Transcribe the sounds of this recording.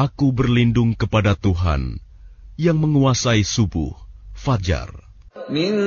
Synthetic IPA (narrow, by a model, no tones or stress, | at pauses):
akubərlindʊŋkəpadat̪uɦa̰n | jaŋməŋuasaisubʊ̰hfad͡ʒa̰r | mi